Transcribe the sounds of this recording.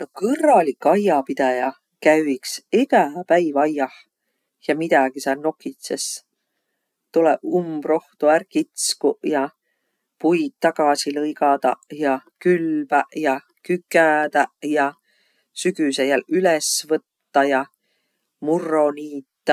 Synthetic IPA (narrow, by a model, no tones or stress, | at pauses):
nokɤrːɑlikːɑjːɑpid̪̥ɑjɑ | kæyikseɡ̥æpæjvɑjːɑh | jɑmid̪̥ɑɡ̥isɑlno̞kːˑit̪ses | t̪uleumb̥ro̞ht̪uærkit̪skujɑ | pujd̪̥̚t̪ːɑɡ̥ɑsilɤjɡɑd̪̥ɑjɑkylbæjɑ | kykːˑæd̪ɑjɑ | syɡysejælylesvɤt̪ːɑjɑ | murːo̞niːt̪ːɑ